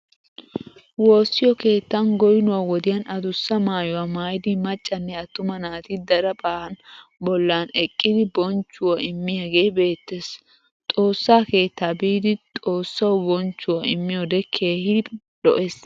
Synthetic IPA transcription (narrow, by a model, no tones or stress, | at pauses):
woːsːɪjɔke̞ːt̪ːɐnɡɔjɪnʊwaːwɔd̪ɪjɐnʔɐd̪ʊsːɐmaːjʊwaːmaːjɪd̪ɪmɐt͡ʃʼːɐnːɛɐt̪ːʊmɐnaːt̪ɪd̪ɐɾɐbaːhɐnbɔlːaːnɛkʼːɪd̪ɪbɔnt͡ʃːʊwɐɪmːɪjaɡe̞ːbe̞ːt̪ːes | t̪ʼo̞ːsːaːke̞ːt̪ːaːbiːd̪ɪt̪ʼo̞ːsːɐwbɔnt͡ʃːʊwɐɪmːɪjɔd̪ɛkʰe̞ːhɪd̪ɪ | ɗɔ̰ʔeːs